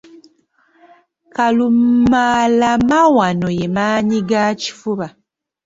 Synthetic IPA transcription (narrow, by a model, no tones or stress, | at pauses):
kalummalamawano̞jemaːɲiɡaci̥fuβa